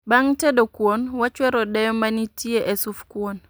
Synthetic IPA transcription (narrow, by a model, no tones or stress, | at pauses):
baŋtɛdokwonwat͡ʃwɛɾɔdɛjɔmanitieʔɛsufkwon